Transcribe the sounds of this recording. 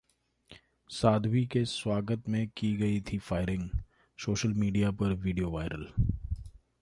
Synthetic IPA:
saːd̪ʱʋikeswaːɡət̪mẽkiɡɐit̪ʰifaːɪɾɪ̃ŋɡ | soːʃəlmiːɖijapɐɾʋiːɖijoʋaːɪɾəl

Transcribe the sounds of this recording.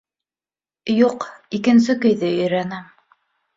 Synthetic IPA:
juqikɘ̆ns̬ɘkɵ̆jðɘɵ̆jɾænæm

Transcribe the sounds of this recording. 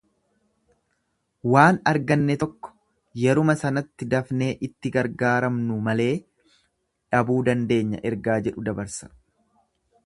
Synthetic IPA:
waːnɐɾɡɐnːɛt̪ɔkːɔ̥ | jɛɾʊmɐsɐnɐt̪ːɪd̪ɐfneːʔɪt̪ːɪɡɐɾɡaːɾɐmnʊmɐle̞ː | ᶑɐbuːd̪ɐnd̪e̞ːɲːɐ̰ʔɛɾɡaːd͡ʒɛᶑʊd̪ɐbɐɾsɐ̥

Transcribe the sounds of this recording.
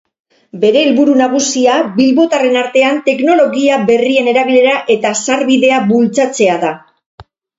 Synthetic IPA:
be̞ɾe̞ːlβuɾunaɣ̞usiabilβo̞t̪are̞naɾt̪e̞ant̪e̞kno̞lo̞ɣiabe̞rie̞ne̞ɾaβ̞ile̞ɾaʔe̞t̪asaɾβiðe̞aβult͡sat͡se̞aða

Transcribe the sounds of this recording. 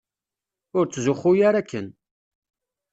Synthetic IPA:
ʊɾt͡sːzʊχujaɾækːən

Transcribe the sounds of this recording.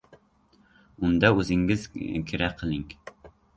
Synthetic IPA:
umd̪ɛøzɪŋɡɪz̥kʲʰeɾɛqʰəlˠɪŋ

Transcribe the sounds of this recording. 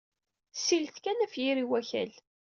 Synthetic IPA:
silθkænæfjiɾiwæçæ̰l

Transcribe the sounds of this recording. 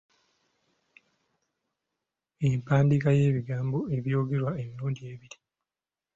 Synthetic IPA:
empaːndikaje̞ːβiɡaːmboe̞βjo̞ːɡe̞ɾwaemiɾuːɲɟie̞ːβiɾi

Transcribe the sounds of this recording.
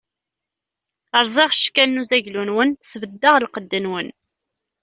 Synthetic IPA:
əɾˤzˤeʁʃkːænnːuzæʝlunwənsvəd̪ːəʁlqəd̪ːənwən

